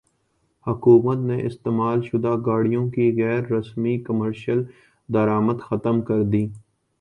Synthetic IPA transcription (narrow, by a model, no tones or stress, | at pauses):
hʊkuːmət̪neʔɪst̪eːmaːlʃʊd̪aɡaːɽijõkiɣɛːɾːɐsmikəməɾʃəl | d̪ɐɾaːməd̪xɐt̪əmkɐɾd̪iː